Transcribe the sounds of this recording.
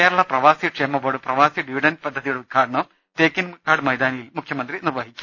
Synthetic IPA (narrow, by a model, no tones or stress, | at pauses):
keːɾɐɭɐprɐʋaːsiʈʂemːɐboːɽɨprɐʋaːsiɖiʋiɖɐnpɐd̪ʱːɐðijuɽeud̪̚ɡʰʱaːʈɐɳɐ | teːkːinɡʰaːɽɨmɐjd̪aːnijilmukʰjɐmɐnd̪rinirʋɐɦikʲːu